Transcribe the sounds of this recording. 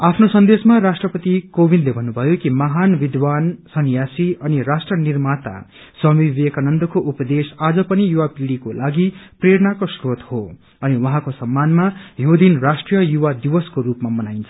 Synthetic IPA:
apʰnosʌnd̪esmarasʈrʌpʌt̪ikobʱind̪lebʱʌnːubʱʌjokimʌɦanbid̪wansʌnjasiʌnirasʈrʌnirmat̪a̰ | sʌmibekanʌnd̪ʌkoʔupʌd̪esad͡zʌpʌnijuwapiɽikolaɡipreɾʌnakoskot̪ho | ʌniwʌɦãkosʌmːanmajod̪inrasʈrijʌjuwad̪ibʌskoɾupmamʌnajnt͡sʰʌ

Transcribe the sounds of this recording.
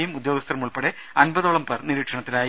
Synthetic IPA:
jumud̪jo̞ːɡɐst̪ɐrɐmuɭpeɽe | ɐnbɐðoɭɐmperniɾiːʈʂɐɳɐt̪ːilaːj

